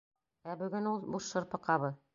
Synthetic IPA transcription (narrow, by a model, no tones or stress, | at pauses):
æbɵ̆ɡɘnulˠbuʃʃɤ̆ɾpɤ̆qɑβɤð